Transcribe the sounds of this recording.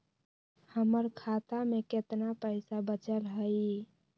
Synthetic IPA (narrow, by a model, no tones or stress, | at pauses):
həməɾkʰat̪ameket̪napəɪsabət͡ʃəlɦəɪ